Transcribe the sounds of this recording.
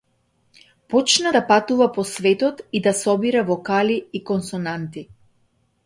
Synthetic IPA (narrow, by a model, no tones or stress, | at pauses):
pɔt͡ʃnad̪apat̪uvapɔsvɛt̪ɔt̪id̪asɔbiɾavɔkaliːkɔnsɔnant̪i